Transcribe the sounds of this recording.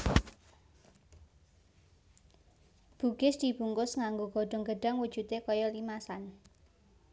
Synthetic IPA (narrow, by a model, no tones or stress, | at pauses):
b̥uɡ̥ɪsd̪̥i̤b̥ṳŋkʊsŋaŋɡoɡ̥ɔ̤ɖ̥ɔ̤ŋɡəɖ̥a̤ŋwud̥ʒ̥ṳt̪ekɔjɔlimasan